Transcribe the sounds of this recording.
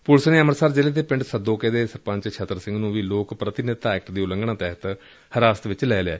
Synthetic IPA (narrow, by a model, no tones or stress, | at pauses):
pʊlsneːəməɾsaːɾd͡ʒeːleːt̪eːpɪ̃ɳɖsəd̪oːkeːd̪eːsəɾpə̃ɲt͡ʃt͡ʃʰət̪ːəɾsɪ̃ŋɡnũːʋiːloːkpɾət̪ɪnɪt̪aɛːk̚ʈd̪iːʊlə̃ŋɡɳ̃ãːt̪ɛɦət̪ | həɾaːsət̪ʋɪt͡ʃlɛːla̰ː